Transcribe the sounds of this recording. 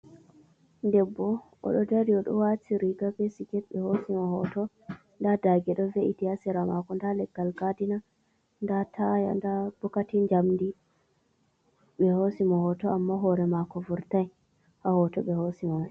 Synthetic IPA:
ndɛbːɔ | ɔ̰ɗɔdaɾiɔɗɔ̰watiɾiɡabesiɡɛtɓɛhosimɔhɔtɔ | ndadaɡɛɗɔveʔitiasiɾamakɔndalɛɡːalɡadina | ndatʰaja̰ndab̥ɔkatiɲd͡ʒamdi | ɓɛhosimɔhɔtɔamːaɦɔɾɛmakɔvuɾtaj | hahɔtɔɓɛhosimɔ

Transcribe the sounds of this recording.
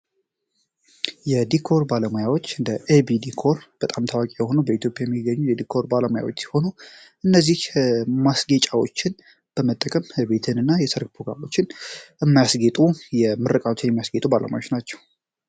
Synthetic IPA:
jɛd̪ikʰo̞ɾbaləmojawo̞t͡ʃːɨnd̪əʔebid̪ikʰo̞ɾb̥ət̪ʼamt̪ʰawakʼijɛho̞nubəit̪ʰjo̞pʼjajɛmːiɡːəɲːujɛd̪ikʰo̞ɾbaləmoja̰wo̞t͡ʃːsi̥ho̞nuʔɨnːəzːihmasɡe̞t͡ʃʼawo̞t͡ʃːɪn | b̥əmət̪ʼːəkʼəmbe̞t̪ʰɨnɨnːajɛsɨɾkpʰɾo̞ɡɾa̰mo̞t͡ʃːɪnjɛmːajasɡe̞t̪ʼujɛmɨɾəkʼawot̪ʰːnjɛmːijasɡet̪ʼubalə̰ma̰jot͡ʃːnat͡ʃːɛw

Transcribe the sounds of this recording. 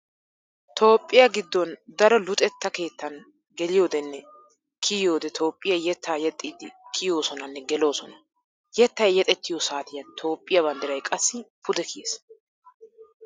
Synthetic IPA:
t̪ʰo̞ːpʼːɪjɐɡɪd̪ːɔnd̪ɐɾɔlʊt̪ʼɛt̪ːɐke̞ːt̪ːɐn | ɡɛlɪjo̞ːd̪ɛnːɛ | kʰɪjjoːd̪ɛt̪ʰo̞ːpʼːɪjɐjɛt̪ːaːjɛt̪ʼːiːd̪ɪkʰɪjoːsɔnɐnːɛɡɛlo̞ːsɔnɐ | jɛt̪ːɐjjɛt̪ʼɛt̪ːɪjosaːt̪ɪjɐnt̪ʰo̞ːpʼːɪjɐbɐnd̪ɪɾɐjkʼɐsːɪpʰʊd̪ɛkʰɪes

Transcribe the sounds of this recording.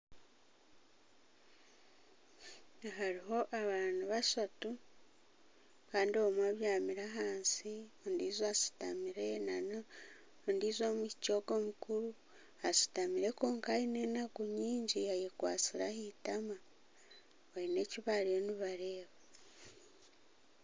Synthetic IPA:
aɦaɾiɦo̞ʔaβaːnuβasatu | kaːndio̞mwaβjaːmiɾaɦaːnsiondiːzasi̥ta̰miɾenan | ondiːzo̞ːmucco̞ɡo̞ːmukuɾu | asi̥tamiɾe̞koːŋkaine̞ːnaɡuɲiːɲɟiajekwa̰ːt͡siɾahitama | βaine̞ciβaɾoniβaɾe̞ːβa

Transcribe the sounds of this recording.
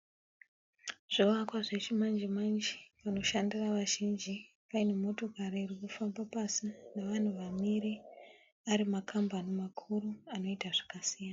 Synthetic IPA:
ʐ̥oʋakwaʐet͡ʃimand͡ʒimand͡ʒipano̞ʃandiraʋaʒind͡ʒi | paine̞mo̞to̞kaɾiːrikufambapasineʋan̤uʋamiɾi | aɾimakʰambanimakʰuɾuano̞itaʐḁkasijana

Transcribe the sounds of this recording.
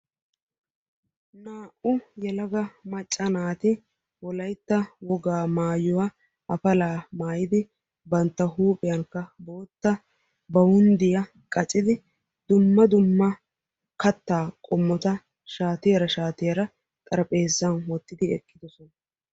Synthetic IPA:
naːʔʊjɛlɐɡɐmɐt͡ʃʼːɐnaːt̪ɪ | wɔlɐjt̪ːɐwɔɡaːmaːjɔwɐ | ʔɐfɐlaːmaːjɪd̪ɪ | bɐnt̪ːɐɦuːpʼɪjɐŋkːɐbo̞ːt̪ːɐ | bɐwʊnd̪ɪjɐ | kʼɐt͡sʼɪd̪ɪ | d̪ʊmːɐd̪ʊmːɐ | kɐt̪ːaːkʼɔmːɔt̪ɐ | ʃaːt̪ɪjɐɾɐʃaːt̪ɪjɐɾɐ | t̪ʼɐɾɐpʼeːzːɐnwɔt̪ːɪd̪ɪɛ̰kːɪd̪ɔsɔnɐ

